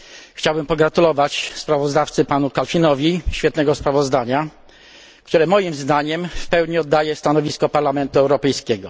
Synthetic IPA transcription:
xt͡ɕawbɘmpɔɡɾat̪ulɔvat͡ɕspɾavɔzd̪aft̪sɘpanukalfʲinɔvʲiɕfʲjɛt̪nɛɡɔspɾavɔzd̪aɲa | kt̪uɾɛmɔjimzd̪aɲɛmfpɛwɲiɔd̪ːajɛst̪anɔvʲiskɔpaɾlamɛnt̪uɛwɾɔpɛjskʲɛɡɔ

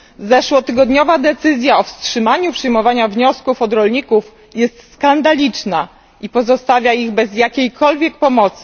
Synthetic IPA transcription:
zɛʂwɔt̪ɘɡɔd̪ɲɔvad̪ɛt̪sɘzʲjaɔfstʂɘmaɲupʂɘjmɔvaɲavɲɔskufɔd̪ɾɔlɲikuf | jɛst̪skand̪alʲit͡ʂna | ipɔzɔst̪avʲjaiɣbɛzjakʲejkʰɔlvʲjɛk̚pɔmɔt̪sɘ̥

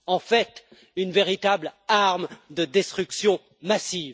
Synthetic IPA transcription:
ɑ̃fɛt̪ | ynveʁit̪ablaʁmd̪əd̪ɛst̪χyksjɔ̃ | masiv

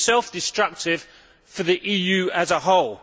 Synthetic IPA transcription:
sɛlˠfd̥ɪstɹ̥ʌk̚tʰɪv̥ | fəðiʔiːjʉːəzəɦɒʊlˠ

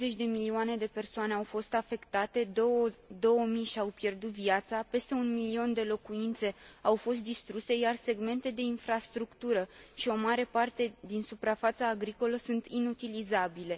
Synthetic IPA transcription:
zet͡ʃʲd̪e̞milioane̞d̪e̞pe̞rsoane̞awfo̞st̪afe̞kt̪at̪e̞d̪od̪o̞wəmijʃiawpje̞rd̪ut̪viat̪sape̞st̪e̞unmilio̞nd̪e̞lo̞kuint̪se̞awfo̞st̪̚d̪ist̪ɾuse̞jarse̞ɡme̞nt̪e̞d̪e̞infɾast̪ɾukt̪uɾəʃio̞maɾe̞part̪e̞d̪insupɾafat̪saːɡɾiko̞ləsunt̪ʰinut̪ilizabile̞

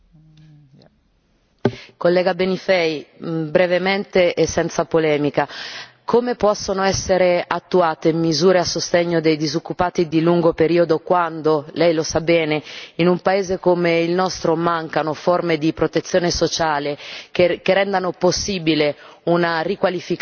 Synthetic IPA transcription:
kolːɛːɡabenifɛjbɾevement̪eʔesɛnt̪sapolɛːmika | komepɔsːonoɛsːeɾeat̪ːuaːt̪emizuːɾeasːost̪eɲːod̪ejd̪izokːupaːt̪id̪iluŋɡopeɾiːod̪okwand̪olɛjlosabːɛːneinumpaeːzekomeilnɔst̪ɾomaŋkanoformed̪ipɾot̪et̪sːjoːnesot͡ʃaːlekkeɾɛnd̪anoposːiːbile | unarikwalifik

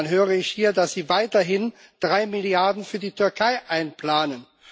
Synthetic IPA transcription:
nɦøːʁəɪçhiːɐdasz̥iːvaɪtɐɦɪnd̥ʁaɪmɪljaɐdn̩fyːɐdiːtʰʏɐkʰaɪʔaɪnplaːnən

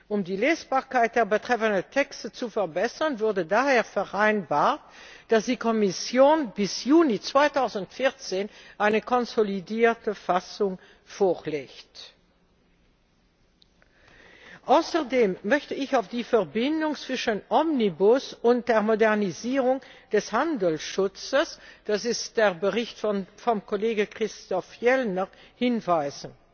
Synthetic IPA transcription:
ʔʊmdiːleːsb̥aːɐkaɪt̚d̥eːɐbətʁ̥ɛfənəntʰɛkstət͡sufɛɐbɛsɐnvʊɐdədaːheːɐfɛʁʔaɪnbaːɐt̚d̥asd̥iːkʰɔmɪsjoːnbɪsjuːnit͡sv̥aɪtʰaʊzn̩tfɪɐt͡seːnʔaɪnəkʰɔnzolidiːɐtəfasʊŋ | foːleːçt | ʔaʊsəʁdeːmːœçtəɪçaʊfd̥iːfɛɐbɪndʊŋt͡sv̥ɪʃənʔɔmnibʊsʊnt̚d̥eːɐʁmodɛʁniziːʁʊŋd̥ɛshandəl̩sʃʊt͡səsd̥asɪstd̥eːɐbəʁɪçtfɔmkʰoleːɡəkʁ̥ɪstɔfjɛlnəʁhɪnvaɪzən̩

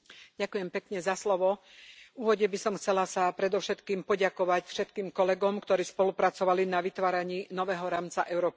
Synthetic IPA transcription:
ɟakujɛmpɛkɲɛzaslɔʋɔ | uːʋɔɟɛbisɔmxt͡sɛlasapɾɛd̪ɔʊʃɛt̪kiːmpɔɟakɔʋacfʃɛt̪kiːmkɔlɛɡɔmkt̪ɔɾiːspɔlupɾat͡sɔʋalinaʋit̪ʋaːɾaɲiːnɔʋɛːɦɔɾaːmt͡saʔɛʊɾɔːpi

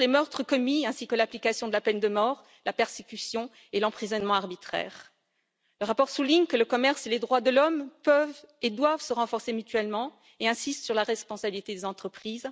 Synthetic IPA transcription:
lemœʁt̪χəkɔmiɛ̃sikəlaplikasjɔ̃d̪əlapɛnd̪əmɔʁ | lapɛʁsekʲysjɔ̃ | elɑ̃pχizɔnmɑ̃aʁbit̪χɛ̰ːʁ | ləʁapɔʁsuliɲkələkɔmɛʁseled̪ʁwad̪əlɔmpœved̪wavsəʁɑ̃fɔʁsemyt̪ɥɛlmɑ̃ | eɛ̃sist̪syʁlaʁɛspɔ̃sabilit̪ed̪ezɑ̃t̪χəpχiːz

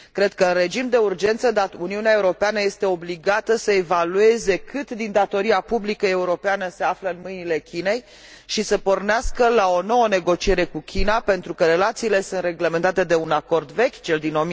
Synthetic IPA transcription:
kɾe̞d̪̚kəɨnre̞d͡ʒimd̪e̞urd͡ʒe̞nt̪səd̪auniuneae̞uɾo̞peanəje̞st̪e̞o̞bliɡat̪əsəe̞value̞ze̞kʰɨt̪d̪ind̪at̪o̞ɾiapublikəe̞uɾo̞peanəse̞afləɨnmɨjnile̞kʲine̞j | ʃisəpo̞rneaskəlao̞no̞wəne̞ɡo̞t͡ʃie̞ɾe̞kukʲinape̞nt̪ɾukəɾe̞lat̪siːle̞sɨnt̪re̞ɡlement̪at̪e̞d̪e̞unako̞rd̪ve̞kʲt͡ʃe̞ld̪ino̞m

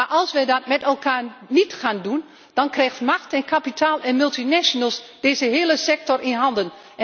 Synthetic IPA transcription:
aʔɑlˠsʋədɔt̚mɛtɛlˠkaːrnitxaːndun | d̥ɔnkrɛxtmaxtɛnkʰapitʰaːlˠɛnmylˠtinɛʃonəlˠsd̥eːzəɦɪːəlˠəsɛk̚tɔrʔinɦɑndən | ɛ

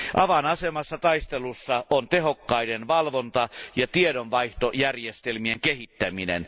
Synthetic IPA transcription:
ʔɑʋɑnɑsemɑsːɑt̪ɑist̪elusːɑʔont̪ehokːɑidenʋɑlʋont̪ɑjɑt̪iedonʋɑiht̪ojærjest̪elmieŋkehit̪ːæminḛn

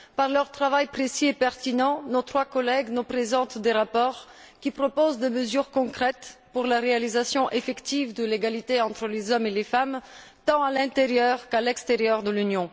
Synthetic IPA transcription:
paʁlœʁt̪χavajpχesiepɛʁt̪inɑ̃not̪χwakɔlɛɡnupχezɑ̃t̪d̪eʁapɔʁ | kʲipχɔpozd̪eməzyʁkɔ̃kχɛt̪puʁlaʁealizasjɔ̃ʔefɛkt̪ivd̪əleɡalit̪eɑ̃t̪χəlezɔmelefam | t̪ɑ̃alɛ̃t̪eʁjœʁkalɛkst̪eʁjœʁd̪əlynjɔ̃

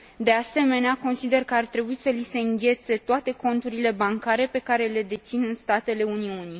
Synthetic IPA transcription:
d̪e̞ase̞me̞neako̞nsid̪e̞rkəart̪ɾe̞buisəlise̞ɨŋɡʲe̞t̪se̞t̪oat̪e̞ko̞nt̪uɾile̞baŋkaɾe̞pe̞kaɾe̞le̞d̪e̞t̪sinɨnst̪at̪e̞le̞uniuni

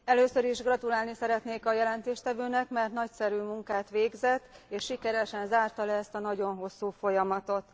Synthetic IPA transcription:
ɛløːsøɾiʒɡrɒt̪ulaːlnisɛɾɛt̪neːkɒjɛlɛnt̪eːʃt̪ɛvøːnɛkmɛrt̪nɒcsɛɾyːmuŋkaːt̪ʋeːɡzɛt̪ːeːʃʃikɛɾɛʃɛnzaːrt̪ɒlɛːst̪ɒnɒɟo̞nɦo̞sːuːfo̞jɒmɒt̪o̞t̪

